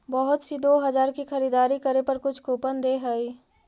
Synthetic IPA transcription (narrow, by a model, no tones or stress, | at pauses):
bəɦʊt̪sid̪oːɦɐd͡ʒaːɾkixɐɾiːd̪aːɾikəɾepɐɾkʊt͡ʃʰkoːpənd̪eɦəi